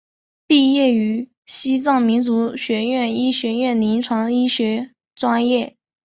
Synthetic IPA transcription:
pi˥˧jɛ˥˩y˧˥ | ɕi˥t͡sɑ˥˩ŋmi˧˥nt͡su˧˥ɕɥɛ˧˥ɥɛ˥˩ni˥ɕɥɛ˧˥ɥɛ˥˩nli˧˥nʈ͡ʂʰwɑ˧˥ŋi˥ɕɥɛ˧˥ | ʈ͡ʂwa˥njɛ˥˩

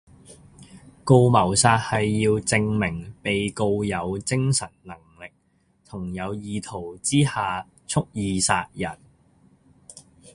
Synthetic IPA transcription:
ko˧wmɐ˨˩wsaː˧t̚hɐ˨jːiː˧wt͡sɪ˧ŋmɪ˨˩ŋpe˨jko˧wjɐ˨˧wt͡sɪ˥ŋsɐ˨˩nnɐ˨˩ŋlɪ˨k̚ | t̪ʰʊ˨˩ŋjɐ˨˧wjiː˨˧t̪ʰo˨˩wt͡siː˥haː˨ | t͡sʰʊ˥k̚jiː˨˧saː˧t̚jɐ˨˩n

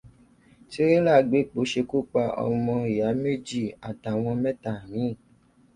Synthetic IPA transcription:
ti˦ɾĩ˦la˦˨ɡ͡be˨˦˨k͡po˨˦ʃe˧ku˦k͡pa˧ɔ̰˧mɔ̃˧i˨ja˨˦me˦d͡ʒi˦˨a˨ta˨w̃ɔ̃˧mɛ˦ta˨j̃ĩ˨˦˨

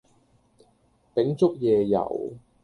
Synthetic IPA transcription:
pɪ˨˥ŋt͡sʊ˥k̚jɛː˨˧jɐ̰˨˩w

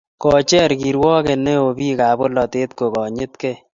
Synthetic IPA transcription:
kɔ˨t͡ʃɛ˦˨ɾɡi˨ɾwɔ˦ke˨ne˦o˨bi˦ka˨bo˦lɔ˨t̪e˦t̪̚ko˨kɔ˨ɲɪ˦t̪ke˦

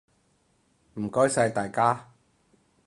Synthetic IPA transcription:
m̩˨˩kɔː˥jsɐ˧jt̪aː˨jkaː˥

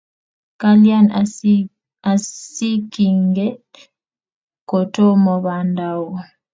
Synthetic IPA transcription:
ka˦lja˦n | a˨si˦ki˨ŋɡɛ˦ | ko˨to˦mɔ˨βa˨nda˨wu˨

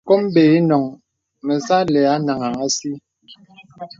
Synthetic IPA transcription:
ko˦m˦be˨i˦nɔ˨ŋ | mɛ˨sa˦lɛ˨a˦na˨ŋa˨ŋa˦si˦

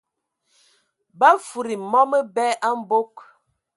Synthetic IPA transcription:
ba˦fu˨ɾi˨mɔ˦mə˦bɛ˦ʔa˦m̩˦bo˦k

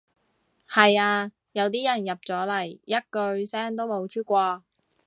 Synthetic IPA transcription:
hɐ˨jaː˧ | jɐ˨˧wt̪̬iː˥jɐ˨˩njɐ˨p̚t͡sɔː˨˥lɐ˨˩jːɐ˥t̚kɵ˧ɥsɛː˥ŋt̪o˥wmo˨˧˥wt͡ʃʰyː˥kʷɔː˧

